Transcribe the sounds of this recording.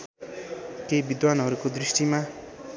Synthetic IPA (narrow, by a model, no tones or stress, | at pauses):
kejbid̪wanɦʌɾukod̪risʈima